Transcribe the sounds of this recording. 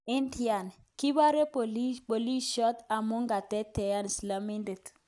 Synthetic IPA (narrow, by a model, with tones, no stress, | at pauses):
ɪ˦ndi˦a˨n | ki˦ba˦ɾe˦po˨li˦po˨li˦ʃɔ˦ta˨mo˦ŋɡa˨tɛ˦te˨ja˦n˨sla˨mi˦nde˨t